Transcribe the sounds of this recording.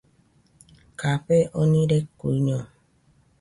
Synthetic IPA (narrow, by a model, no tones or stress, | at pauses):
kapeʔɔnĩɾekːuiɲɔ̃